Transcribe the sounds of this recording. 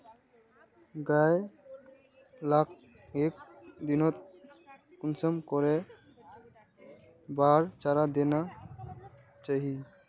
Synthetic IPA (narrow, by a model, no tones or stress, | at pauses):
ɡaj | lak̚ʰ | ek̚d̪inɔt̪̚ | kunsɔmkɔɾɛ | baɾt͡ʃaɾad̪ɛna | t͡ʃaɦi